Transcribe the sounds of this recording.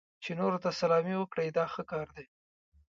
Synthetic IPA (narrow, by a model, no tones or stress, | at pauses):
t͡ʃenoɾot̪asalɑmiwəkɽəjd̪ɑxəkɑɾd̪e